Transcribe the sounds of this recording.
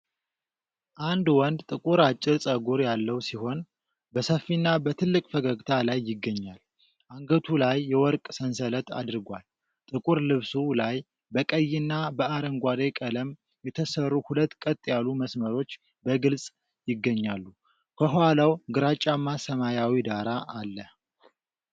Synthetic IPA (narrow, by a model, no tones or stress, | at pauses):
ʔand̪wɔnd̪t̪ʼɨkʼuɾat͡ʃʼːɪɾsʼəɡuɾjalːəwsiho̞n | bəsəfːinːabət̪ʰɨlːɨkʼfəɡəɡt̪ʰalajːɪɡːəɲːal | ʔaŋɡət̪ʰulajːɛwɔɾkʼsənsələt̪ʰa̰d̪ɨɾɡʷal | t̪ʼɨkʼuɾlɨβsulaj | bəkʼəjːɪnːabəaɾəŋɡʷad̪ajkʼələm | jɛt̪ʰəsərːuhulət̪ːkʼət̪ʼjalːuməsməɾo̞t͡ʃː | bəɡɨlsʼ | jɪɡːəɲːalːu | kʰəɦalawɡɨɾat͡ʃʼːamasəmajawid̪aɾaʔalːə